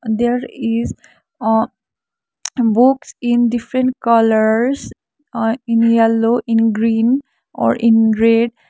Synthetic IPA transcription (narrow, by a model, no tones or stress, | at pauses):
d̪eɾiz | buksĩnɖifɾẽɳʈkʌləɾs | ĩnjɛlːoʔĩnɡɾĩn | ɔ̰ɾʔĩnɾeɖ